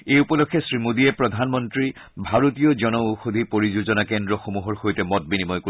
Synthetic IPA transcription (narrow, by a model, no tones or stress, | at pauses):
ejupɔlokʰːɛsɹimudiɛpɹɔd̪ʱanmɔntɹi | bʱaɹotijɔzɔnɔuxod̪ʱipoɹizuzɔnakendɹɔxomuɦɔɹxojtɛmɔt̚binimɔjko